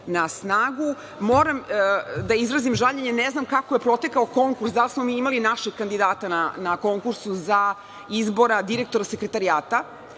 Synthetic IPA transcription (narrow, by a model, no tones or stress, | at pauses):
nasnaːɡu | moːɾamd̪aizɾazimʒaʎeɲe̞neznamkakoje̞pɾo̞t̪e̞kaoko̞ŋkuɾsd̪alismo̞miːimalinaʃeɡ̚kand̪id̪aːt̪ananako̞ŋkuɾsuza | izbo̞ɾad̪iɾe̞k̚t̪o̞ɾase̞kɾe̞t̪aɾiaːt̪a